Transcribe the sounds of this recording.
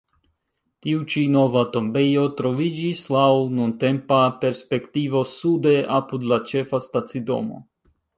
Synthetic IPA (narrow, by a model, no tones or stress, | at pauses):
tiut͡ʃino̞vato̞mbe̞jo̞tɾo̞vid͡ʒislawnunte̞mpape̞ɾspe̞ktivo̞sude̞ʔapud̪lat͡ʃe̞fastat͡sido̞̰mo̰